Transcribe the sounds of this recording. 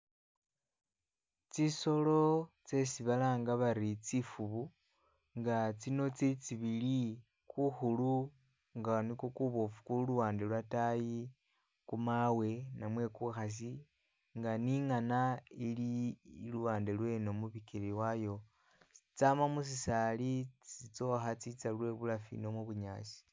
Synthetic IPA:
t͡siso̞lo̞t͡se̞siβalaːŋɡaβaɾit͡sifuβu | ŋɡat͡sino̞t͡set͡siβili | kuxulu | ŋɡanikokuβofu̥kuluwaːndelwataji | kumawe̞namwe̞kuxas̬i | ŋɡaniŋanailiːluwaːndelwe̞no̞muβikiɾiwajo̞ | it͡samamus̬isalit͡sit͡so̞xat͡sit͡salwe̞βulafḭno̞muβuɲaːsi̥

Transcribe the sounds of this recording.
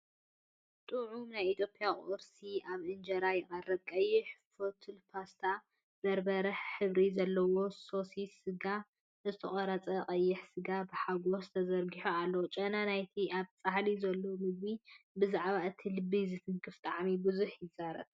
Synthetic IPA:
t̪ʼuʕumnajʔit̪ʰjo̞pʼjakʼoɾsiʔaβʔɨnd͡ʒɐɾajɛχʼɐrɐkʼɐjːɪħfot̪ʰɨlpʰast̪ʰa | b̥ɐɾbɐɾɐħħɨβɾizɐlːɐwo̞so̞sisɨɡa | zɨt̪ʰɐχʼɐɾɐt͡sʼɐqʼɐjːɪħsɨɡabɨħaɡo̞st̪ʰɐzɐɾɡiħoalːot͡ʃʼɐnanajt̪ʰiʔaβt͡sʼahlizɐlːo̞mɨɡbibɨzaʕβaɨt̪ʰilɨbːizɨt̪ʰɨnkʰɨft̪ʼaʕmibɨzuħjɪzaɾɐ̰t

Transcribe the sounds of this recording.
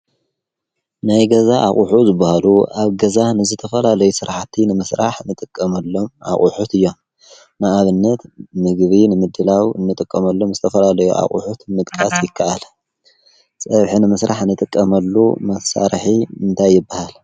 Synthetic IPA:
najɡɐzaʔa̰χʼuħuzɨbːahaluʔaβɡɐzanɨzɨt̪ʰɐfɐlalɐjusɨɾħt̪ʰːinɨmɨsɾʔaħnɨt̪ʼɨkʼːɐmɐlːo̞ma̰χʼṵħut̪ɨjːo̞m | naʔaβɨnːɐt̪mɨɡβinɨmɨd̪ːɨlawɨ̰nːɨt̪ʼɨkʼːɐmɐlːomzɨt̪ʰɐfɐlalɐjṵʔa̰χʼṵħut̪mɨt̪ʼkʼasjɪkʰːaʔal | sʼɐβħinɨmɐsɾaħɨnːɨt̪ʼɨkʼːɐmɐlːumɐsa̰ɾħimɨnt̪ʰajːɪbːahal

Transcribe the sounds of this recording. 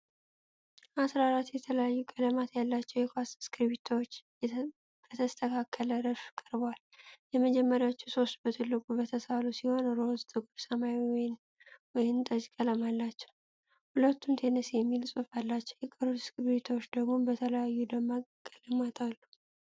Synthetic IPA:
ʔasɾaɾat̪ːjɛt̪ʰələjajːukʼələmat̪jalːat͡ʃːɛwjɛkʰwasskʰɾβit̪ʰawot͡ʃː | bət̪ʰəst̪ʰəkʰakʰːələɾəfkʼəɾbwaljɛməd͡ʒɛmːəɾjawot͡ʃːuso̞st̪̚bət̪ʰɨlːɨkʼubət̪ʰəsalusiho̞nɾozt̪ʰɨɡuɾsəmajwɔjɪn | wɔjɪnt̪ʼəd͡ʒkʼələmalːat͡ʃːɛw | hulət̪ʰːumt̪ʰe̞nəsjɛmːilsʼufalːat͡ʃːɛwjɛkʼəɾut̪skɾbit̪ʰwot͡ʃːd̪əɡmo̞bət̪ʰələjajːud̪əmːakʼələmat̪ʰalːu

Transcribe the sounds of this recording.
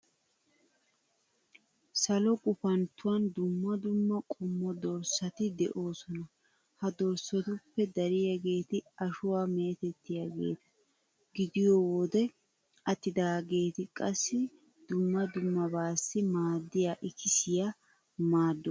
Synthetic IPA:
sɐlɔkʼʊpɐnt̪ːʊwɐnd̪ʊmːɐd̪ʊmːɐkʼʊmːɔd̪ɔɾsːɐt̪ɪd̪ɛ̰ʔo̞ːsɔnɐ | hɐd̪ɔɾsːɔt̪ʊpːɛd̪ɐɾɪjaɡe̞ːt̪ɪɐʃʊwaːme̞ːt̪ɛt̪ːɪjaɡe̞̰ːt̪ɐ̥ | ɡɪd̪ɪjɔwɔd̪ɛ | ɐt̪ːɪd̪aːɡe̞ːt̪ɪkʼɐsːɪ | d̪̥ʊmːɐd̪ʊmːɐbaːsːɪmaːd̪ːɪjaːʔɪkɪsɪja | maːd̪ːɔ

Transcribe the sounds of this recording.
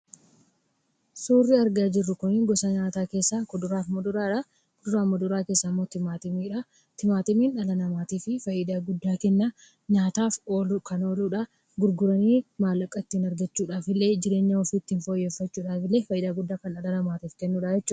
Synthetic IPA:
suːrːɪɐɾɡaːd͡ʒɪrːʊkʊniŋɡɔsɐɲaːt̪aːke̞ːsːakʊd̪ʊɾaːfmʊd̪ʊɾaːᶑɐ | kʊd̪ʊɾaːmʊd̪ʊɾaːke̞ːsːɐmːo̞ːt̪ɪmaːt̪ɪmiːᶑɐ | t̪ɪmaːt̪ɪmiːnᶑɐlɐnɐmaːt̪iːfɪfɐjːɪd̪aːɡʊd̪ːaːkɛnːa | ɲaːt̪aːfoːlukɐno̞ːluːᶑɐ | ɡʊɾɡʊɾɐniːmaːlɐkʼːɐt̪ːiːnɐɾɡɐt͡ʃːuːᶑaːfɪlːe̞ːd͡ʒɪɾe̞ːɲːaɔfit̪ːiːnfo̞ːjːe̞ːfːɐt͡ʃːuːᶑaːfɪlːe̞ːfɐjʔɪd̪aːɡʊd̪ːaːkɐnᶑɐlɐnɐmaːt̪iːfkɛnːuːᶑɐd͡ʒɛt͡ʃːʊuː

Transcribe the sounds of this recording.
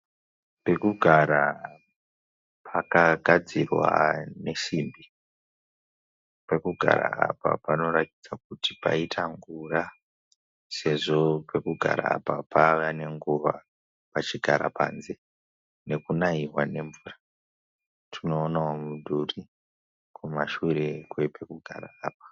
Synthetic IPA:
pe̞kuɡʱaɾa | pʰakaɡʱad͡zirwa̰ne̞ʃimbi | pe̞kuɡʱa̰ɾa̰ːpa̰pano̞ratid͡zak̚uti̥pa̰itʰaŋɡura | se̞ʐo̞pʰekuɡʱa̰ɾa̰ːpapʰaʋane̞ŋɡuʋa | pat͡ʃiɡʱaɾa̰pʰa̰ːnze̞ | ne̞kunaiɦwane̞ɱvuːra | tʰino̞ːnaomudʱuri | kumaʃuɾekwepe̞kuɡʱa̰ɾa̰ːp̚ḁ

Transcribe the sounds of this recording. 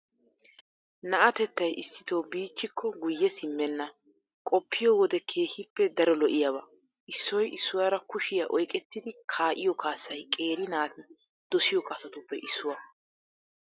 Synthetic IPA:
nɐʔɐt̪ɛt̪ːɐjʔɪsːɪ̥t̪oːbiːt͡ʃːɪkʰːɔɡʊjːɛsɪmːɛnːɐ | kʼɔpːɪjɔwɔd̪ɛkʰe̞ːhɪpːɛd̪ɐɾɔlɔʔɪjɐbɐ | ʔɪsːɔjʔɪsːʊwaːɾɐkʊʃɪjɐʔɔjkʼɛt̪ːɪd̪ɪkʰaːʔɪjɔkʰaːsːɐjkʼe̞ːɾɪnaːt̪ɪn | d̪̥ɔsɪjɔkʼɐsɐt̪ʊpːɛʔɪsːʊwɐ

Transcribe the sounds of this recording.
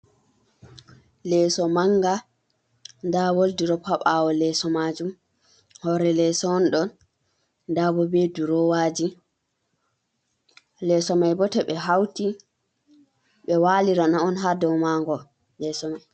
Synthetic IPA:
lɛːsɔmaŋɡa | ndawoldiɾɔpʰaɓawɔlɛsɔmad͡ʒum | hɔɾɛlɛsɔnɗɔn | ndabɔbeduɾɔwaːd͡ʒi | lɛsɔmajbɔtɛɓɛɦawti | ɓɛwaːliɾanaɔnɦadɔwmaŋɡɔ | lɛsɔmaj

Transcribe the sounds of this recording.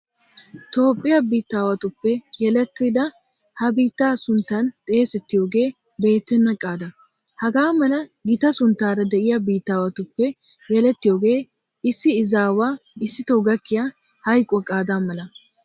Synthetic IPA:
t̪o̞ːpʼːɪjɐbiːt̪ːaːwɐt̪ʊpːɛjɛlɛt̪ːid̪ɐ | hɐbiːt̪ːaːsʊnt̪ːɐnt̪ʼe̞ːsɛt̪ːɪjo̞ːɡe̞ː | be̞ːt̪ːɛnːɐkʼaːd̪ɐ | hɐɡaːmɐnɐɡɪt̪ɐsʊnt̪ːaːɾɐd̪ɛʔɪjɐbiːt̪ːaːwɐt̪ʊpːɛ | jɛlɛt̪ːɪjoːɡe̞ː | ɪsːɪɪzaːwaːɪsːɪt̪oɡɐkːɪja | hɐjkʼːɔkʼaːd̪amɐlɐ

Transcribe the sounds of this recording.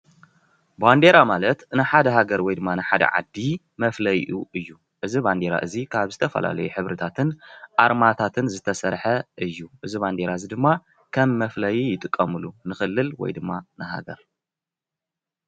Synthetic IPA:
band̪e̞ɾamalɐt̪nɨħad̪ɐɦaɡɐɾwɔjd̪ɨmːanɨħad̪ɐ̰ʕa̰d̪ːi | mɐflɐjʔuʔɨjːu | ʔɨziband̪eɾa̰ʔɨzikʰaβzɨt̪ʰɐfɐ̰la̰lɐjuħɨβɾɨt̪ʰat̪ʰɨnʔaɾmat̪ʰat̪ʰɨnzɨt̪ʰɐsɐɾħɐʔɨjːuʔɨziβand̪e̞ɾaɨzid̪ɨmːa | kʰɐmːɐflɐjjɪt̪ʼɨkʼːɐmɨlunɨxɨlːɨlwɔ̰jd̪ɨmːanɨɦa̰ɡɐ̰ɾ

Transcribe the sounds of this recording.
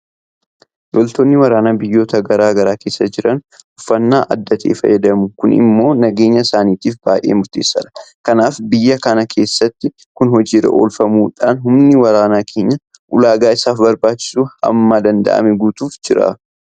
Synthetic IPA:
lɔlt̪oːnːɪwɐɾaːnaːbɪjːo̞ːt̪ɐɡɐɾaːɡɐɾaːke̞ːsːɐd͡ʒɪɾɐnʊfːɐnːaːʔɐ̰d̪ːɐt̪ʰḛːfɐ̰jːɐd̪ɐmʊkʊnɪ̰mːo̞ːnɐɡe̞ːɲːɐɪsaːniːt̪iːfbaːjʔḛːmʊɾt̪e̞ːsːɐᶑɐ̥kɐnaːfbɪjːɐkɐnɐkʰe̞ːsːɐt̪ːɪ | kʊnhɔd͡ʒiːɾɐ̰ʔo̰ːlfɐmuːᶑaːnɦʊmnɪwɐɾaːnaːkʰe̞ːɲːɐ | ʔʊlaːɡaːɪsaːfbɐɾbaːt͡ʃːɪ̥suːhɐ̰mːaːd̪ɐnd̪ɐ̰ʔɐ̰mɛɡuːt̪uːfd͡ʒɪɾa̰

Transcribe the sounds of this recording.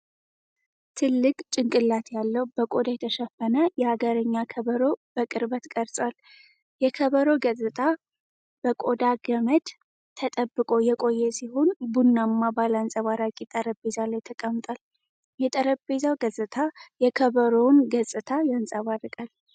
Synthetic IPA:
t̪ʰɨlːɨkʼt͡ʃʼɪŋkʼɨlːat̪ʰjalːəwbəkʼod̪ajɛt̪ʰəʃəfənəjɛhaɡəɾəɲːakʰəβəɾo̞bəkʼɨɾbət̪kʼəɾsʼwal | jɛkʰəβəɾo̞ɡəzʼɨt̪ʰʼa | b̥əkʼod̪aɡəməd̪ | t̪ʰːət̪ʼəbːɨkʼo̞jɛkʼo̞jːɛsihonbunːamːabalansʼəβaɾakʼit̪ʼəɾəbe̞zalajt̪ʰəkʼəmːt̪ʼal | jɛt̪ʼəɾəbe̞zawɡəzʼɨt̪ʰajɛkʰəβəɾo̞nɡəzʼɨt̪ʰajansʼaβarɨkʼal

